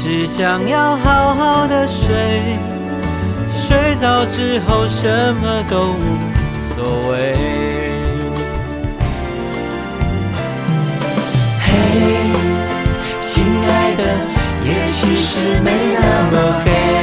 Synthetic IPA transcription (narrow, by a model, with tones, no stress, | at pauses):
ʈ͡ʂɻ̩˨˩ɕjɑ˨˩ŋjɑ˥˧ʊxɑ˨˩ʊxɑ˥˧ʊd̪ə˨ʂwe˥ɪ | ʂwe˧˥ɪt͡sɑ˩ʊʈ͡ʂɻ̩˥˧xo˧ʊʂə˧˦nmə˧t̪o˥ʊ˧ | swɔ˨˩we˧˥ɪ | he˧ | t͡ɕi˥nla˧˥ɪd̪ə˧jɛ˨˩t͡ɕʰi˧˥ʂɻ̩˧˥me˧˥ɪnə˧ŋkə˧ke˧